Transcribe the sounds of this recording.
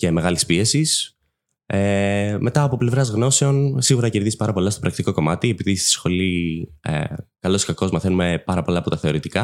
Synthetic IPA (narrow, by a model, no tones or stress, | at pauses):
ce̞me̞ɣɐlispie̞sis | emʔe̞t̪ɐːpo̞ple̞vɾɐzɣno̞se̞o̞nsiɣuɾɐce̞ɾðizipɐɾɐpo̞lɐst̪o̞pɾɐkt̪iko̞ko̞mɐt̪iepiðisi̥sxo̞liḛkɐlo̞skɐko̞zmɐθe̞nume̞pɐɾɐpo̞lɐːpo̞t̪ɐθe̞o̞ɾit̪ikɐ